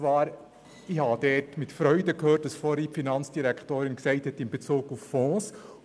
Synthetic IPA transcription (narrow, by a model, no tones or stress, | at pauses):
ʋɑːɾ | ɪhɑd̥ɛːtmɪtfɾœʏdəkhøːrt̚d̥ɑsfɔɾipfinɑnt͡sd̥iɾɛkʰtoːɾɪnksɛɪthɛtɪnbet͡suːɡufːɔ̃ːs